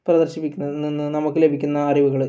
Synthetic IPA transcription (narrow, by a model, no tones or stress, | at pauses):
prɐd̪ɐrɕipːikːunːɐðɨninːɨnɐmukːɨle̞bʱikʲːunːɐːriʋuɣɐɭ